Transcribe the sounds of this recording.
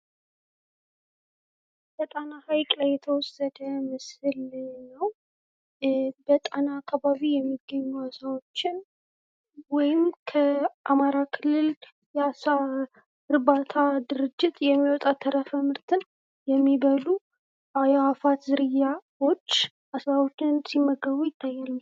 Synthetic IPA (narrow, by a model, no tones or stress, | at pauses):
bət̪ʼanahajkʼlajːɛt̪ʰəwɔsəd̪əmɨsɨlɲnəw | bət̪ʼanaːkʰːaβaβijɛmːiɡːəɲːuasawo̞t͡ʃːɪn | wɔjɪmkʰəʔamaɾakʰɨlːɨl | jɛasa | ɨɾbat̪ʰad̪ɨɾɨd͡ʒːɪt̪ʰjɛmːiwɔt̪ʼat̪ʰːəɾəfəmɨɾt̪ʰɨn | jɛmːiβəlu | ʔajaafat̪zɨɾɨjawo̞t͡ʃː | ʔasawo̞t͡ʃːɪnsimːəɡəβujɪt̪ʰːajːaləm